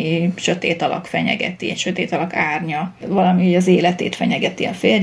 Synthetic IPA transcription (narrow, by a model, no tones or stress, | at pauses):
iʃø̞t̪ḛːt̪ɒlɒ̰kfɛɲɛ̰ɡɛ̰t̪iɛcʃøt̪eːt̪ɒlɒkaːrɲɒvɒlɒmihoɟɒzeːlɛt̪ḛːt̪fɛɲɛɡɛt̪iɒ̰feːl